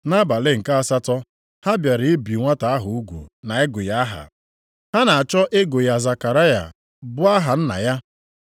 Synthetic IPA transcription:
na˦ba˨le˦ŋ̩˨ka˦a˦sa˦tɔ˦ | ha˦bja˨ɾɪ˨˦e˦bi˨ŋʷa˦ta˨a˦ɦʊ˨u˦ɡʷṵ˨na˨e˦ɡʊ˨ja˦ɦa̰˨ | ha˦na˨a˨t͡ʃɔ˦ʔe˦ɡʊ˨ja˨za˨ka˨ɾa˦ja̰˨ | bʊ˦a˦ɦa˨n̩˦na̰˨ja˦

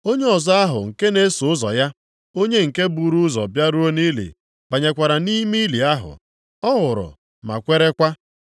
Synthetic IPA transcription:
o˦ɲe˦ɔ˨zɔ˦a˦ɦʊ˨ŋ̩˨ke˦ne˦sʊ˨ʊ˦zɔ̰˨ja˦ | o˦ɲe˦ŋ̩˨ke˦bu˦˨ɾu˦ʊ˦zɔ̰˨bja˦ɾu˦o˦ni˦lḭ˨ | b̥a˨ɲe˨kʷa˨ɾa˨ni˦mi˦li˨a˦ɦʊ̰˨ | ɔ˦ɣʊ˨ɾʊ̰˨ | ma̰˨kʷe˦ɾe˦kʷa˦

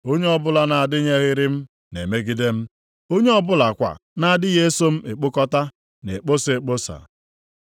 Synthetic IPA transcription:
o˦ɲe˦ɔ˦bʊ˦la˨na˨a˨dɪ˦ɲe˦ɣɪ˦ɾɪ˦m̩˦ | nḛ˨me˦ɡi˦de˦m̩˦ | o˦ɲe˦ɔ˦bʊ˦la˨kʷa̰˨na˨a˨dɪ˦ɣe˦e˦so˦m̩˦e˨k͡po˦kɔ˦ta˦ | ne˨k͡po˦se˨k͡po˦sa̰˨

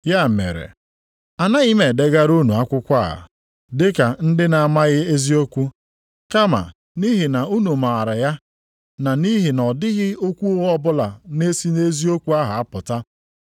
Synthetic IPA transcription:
ja˦˨mḛ˨ɾḛ˨ | a˨na˦ɣi˦me˨de˨ɡa˦ɾu˦nu˨a˦kʷʊ˦kʷa˦a̰˨ | dɪ˦ka˨n̩˦dɪ˦na˨a˨ma˦ɣɪ˦e˦zi˦o˦kʷu˦ | ka˦ma̰˨ | ni˦ɦɪ˨na˨u˦nu˨ma˨ɾa˨ja˦ | na˨ni˦ɦi˨nɔ˨dɪ˦ɣɪ˦o˦kʷu˦ɣɔ˦bʊ˦la˨ne˦si˦ne˦zi˦o˦kʷu˦a˦ɦa˨a˦pʊ˨ta˦

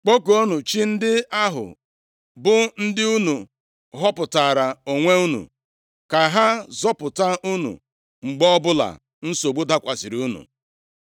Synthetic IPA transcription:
k͡po˦ko˨o˦nu˨t͡ʃi˦n̩˦dɪ˦a˦ɦʊ̰˨ | bʊ˦n̩˦dɪ˦u˦nu˨ | ɦɔ˦pʊ˨ta˨ɾa˨o˨ŋʷe˦u˦nṵ˨ | ka˨ɦa˦zɔ˦pʊ˨ta˦u˦nṵ˨ | ŋ͡m̩˨ɡ͡bɔ˦bʊ˦la̰˨ | n̩˦so˨ɡ͡bo˦da˦kʷa˨sɪ˨ɾu˦nṵ˨

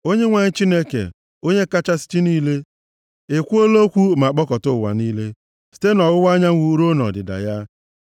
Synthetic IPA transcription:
o˦ɲe˦ŋʷa˨ɲɪ˦t͡ʃi˦ne˦kḛ˨ | o˦ɲe˦ka˦t͡ʃa˦sɪ̥˦t͡ʃi˦niː˦le˦ | e˨kʷu˦o˦lo˦kʷu˦ma˨k͡pɔ˦kɔ˨tʊ˦˨wa̰˨niː˦le˦ | si̥˨te˦nɔ˨wʊ˦wa˦ɲa˦ŋ̩ʷ˦u˦ɾo˦nɔ̰˨dɪ̰˨da̰˨ja˦

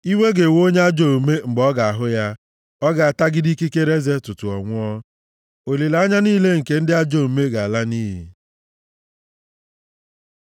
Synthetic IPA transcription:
i˦ŋʷe˦ɡe˨wo˦ɲ˦a˦d͡ʒo˦˨u˨me˦ŋ͡m̩˨ɡ͡bɔ˦ɡa˨a˨ɦʊ˦ja˦ | ɔ˦ɡa˨a˨ta˦ɡɪ˦di˦ki˦ke˦ɾe˦ze˦tʊ˨tʊ˨ɔ̰˨ŋʷʊ˦ɔ˦ | o˨li˨la˦ɲa˦niː˦le˦ŋ̩˨ke˨n̩˦dɪ˦a˦d͡ʒo˨me˦ɡa˨a˨la˦niː˦ɦḭ˨

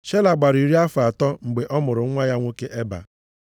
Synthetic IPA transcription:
ʃe˦la˨ɡ͡ba˨ɾi˨ɾi˦a˦fa˨tɔ˦ŋ͡m̩˨ɡ͡be˨ʔɔ˦mʊ˨ɾʊ˨˦ŋʷa˦ja˦ŋʷo˦ke˦ʔe˦ba̰˨

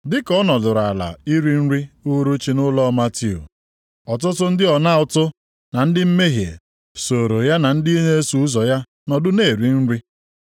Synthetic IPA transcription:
dɪ˦kɔ˦nɔ˨dʊ˨ɾa˨la̰˨i˦ɾi˦n̩˦ɾi˦u˦ɾu˦t͡ʃi˦nʊ˦lɔ˦ma˦ti˦˨ṵ˨ | ɔ˨tʊ˦tʊ˦n̩˦dɪ˦ɔ˨na˦ʊ˨tʊ˦ | na˨n̩˦dɪ˦m̩˦me˦ɦje˨ | so˨ɾo˨ja˦na˨n̩˦di˦ne˦e˦su˨u˦zɔ˨ja˦ | nɔ˨dʊ˦ne˦˨ɾi˨n̩˦ɾi˦

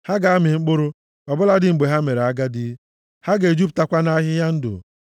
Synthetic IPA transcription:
ha˦ɡa˨a˦mɪ˨ŋ͡m̩˦k͡pʊ˦ɾʊ˦ | ɔ˨bʊ˦la˦dɪ˦ŋ͡m̩˨ɡ͡be˨ɦa˦me˨ɾe˨a˦ɡa˦dɪ˦ | ha˦ɡe˨d͡ʒu˦p̬̚ta˦kʷa˦na˦ɦɪ˦ja˦n̩˦dʊ̰˨

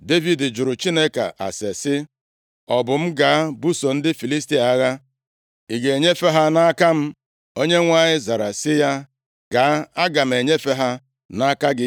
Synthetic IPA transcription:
de˦vi˨dɪ˨d͡ʒʊ˨ɾʊ˨t͡ʃi˦ne˦ka̰˨ʔa̰˨se˨sɪ˦ | ɔ˨bʊ˨m̩˦ɡa˨˦bu˦so˨n̩˦dɪ˦fi˨li˦sti˨a˦ɣa˦ | i˨ɡe˨ɲe˦fe˦ɦa˦na˦ka˦m̩˦ | o˦ɲe˦ŋʷa˦ɲɪ˦za˨ɾa˨sɪ˦ja˦ | ɡ̥a˨˦a˦ɡa˨m̩˨e˨ɲe˦fe˦ɦa˦ | na˦ka˦ɡɪ˦

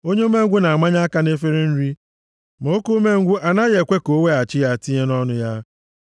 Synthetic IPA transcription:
o˦ɲe˦u˦me˦ŋ̩˦ɡʷʊ˦na˨a˨ma˦ɲa˦a˦ka˦ne˦fe˦ɾe˦n̩˦ɾi˦ | mo˨o˦ku˦me˦ŋ̩˦ɡʷu˦ʔa˨na˦je˨kʷe˦ko˦we˦a˨t͡ʃɪ˦ja˦ti˦ɲe˦nɔ˦nʊ˦ja˦

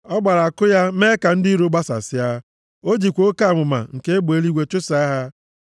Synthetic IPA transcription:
ɔ˦ɡ͡ba˨ɾa˨a˨kʊ˦ja˦me˦ka˨n̩˦di˦ɾu˦ɡ͡ba˦sa̰˨sɪ˦a˦ | o˦d͡ʒi˨kʷo˦ka˦˨mʊ˨ma̰˨ŋ̩˨ke˦e˦ɡ͡bo˨e˦li˦ɡʷe˦t͡ʃʊ˦sa˦a˦ɦa˦

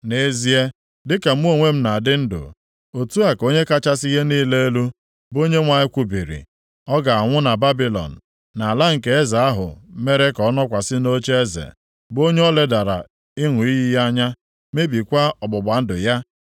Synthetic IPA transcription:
ne˦zi˦e˦ | dɪ˦ka˨m̩˦o˦˨ŋʷe˦m̩˦na˨dɪ˦n̩˦dʊ̰˨ | o˨tu˦a˨ko˦ɲe˦ka˦t͡ʃa˦si˦ɦe˦niː˦le˦e˦lu˦ | bo˦ɲe˦ŋʷa˨ɲɪ˦kʷu˨bi˨ɾḭ˨ | ɔ˦ɡa˨a˨ŋʷʊ˦na˨ba˦bi˨lɔ̰˨n̩˨ | na˨a˨la˦ŋ̩˨ke˦e˦za˨a˦ɦʊ̰˨˦me˦ɾe˦kɔ˨˦nɔ˦kʷa˨sɪ˦no˦t͡ʃe˦e˦zḛ˨ | bo˦ɲe˦ɔ˦le˨da˨ɾa̰˨ | ɪ˦ŋʷʊ˨i˦ɦi˦ɦa˦ɲa˦ | me˦bi˨kʷa˦ɔ˨ɡ͡bɔ˨ɡ͡ba˨n̩˦dʊ̰˨ja˦

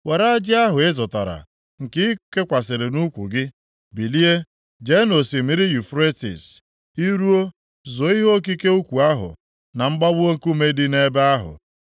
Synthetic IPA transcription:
we˨ɾa˦d͡ʒɪ˦a˦ɦʊ˨ɪ˦zʊ˨ta˨ɾa̰˨ | ŋ̩˨kɪ˦ke˦kʷa˨s̬ɪ˨ɾɪ˨nu˦kʷṵ˨ɡɪ˦ | bi˨li˦e˦ | d͡ʒe˦no˨si˨mi˨ɾi˦ju˨fɾe˦tḭ˨s | i˦ɾu˦o˦ | zo˨˦i˦ɦo˦k̬i˦ke˦u˦kʷu˨a˦ɦʊ̰˨ | na˨m̩˦ɡ͡ba˦bʊ˦o˦ŋ̩˦ku˦me˦di˦ne˦be˦a˦ɦʊ̰˨

